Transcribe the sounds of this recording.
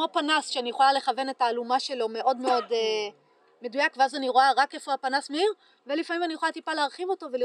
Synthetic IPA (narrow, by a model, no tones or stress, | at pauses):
mopanasʃeanijeχolale̞χave̞ne̞taːlumaʃe̞lo̞meʔo̞dmeo̞de | me̞dujakveazaniʁo̞aʁake̞foapanasmeiʁ | ve̞lifamimanijeχolatipaleaʁχivo̞to̞veli